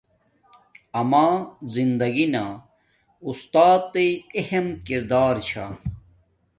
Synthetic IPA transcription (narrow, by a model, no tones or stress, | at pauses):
ɐmaːzind̪ɐɡina | ust̪aːt̪ːeehemkiɾd̪aːɾt͡ɕʰa̰